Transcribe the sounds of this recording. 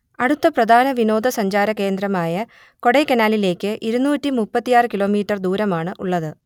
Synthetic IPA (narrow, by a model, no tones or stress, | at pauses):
ɐɽut̪ːɐprɐd̪ʱaːnɐʋino̞ːd̪ʱɐsɐɲd͡ʑaːɾɐke̞ːnd̪ɾɐmaːjɐ | ko̞ɽejkenaːlile̞ːkːɨʔiɾunuːtːimupːɐt̪ːijaːrɨkilo̞ːmiːʈːɐrd̪uːɾɐmaːɳɨʔuɭːɐðɨ